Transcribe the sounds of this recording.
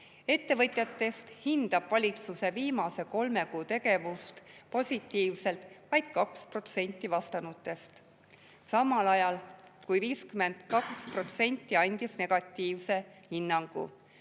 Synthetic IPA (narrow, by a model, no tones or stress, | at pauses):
e̞t̪ːe̞vɤt̪ʲˑjɑt̪ːˑe̞st̪hind̪̥ɑb̥vɑlʲit̪suse̞viːmɑse̞ko̞lme̞kuːt̪e̞ɡe̞vust̪po̞sʲit̪ːˑiːvse̞lt̪ˑvɑjd̪̥̚kɑkspro̞t̪se̞nʲt̪ˑːivɑst̪ɑnut̪ːˑe̞st̪ | sɑmːɑlɑjɑlkujviːskyme̞nd̪̥kɑkspro̞t̪se̞nʲt̪ːˑiɑnʲd̪̥isne̞ɡ̥ɑt̪ˑːiːvse̞hinːɑŋɡ̥ṵ